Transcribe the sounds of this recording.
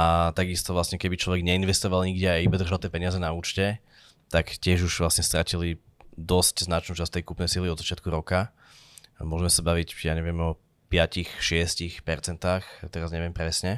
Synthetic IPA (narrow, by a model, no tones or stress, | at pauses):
at̪aɡist̪ɔʋlasɲɛkɛbit͡ʃlɔʋɛɡɲɛinʋɛst̪ɔʋalɲiɡɟɛajibad̪r̩ʒalˠt̪jɛpɛɲɪazɛnauːt͡ʃcɛ | t̪akcɪɛʒuʒʋlasɲɛst̪ɾacili | d̪ɔscznat͡ʃnuːt͡ʃast̪ɛjkupnɛjsiliɔd̪zat͡ʃɪat̪̚kuɾɔka | mʊɔʒɛmɛsabaʋicjaɲɛʋɪɛmɔ | pɪacixʃɪɛscixpɛɾt͡sɛnt̪aːxt̪ɛɾazɲɛʋɪɛmpɾɛsɲɛ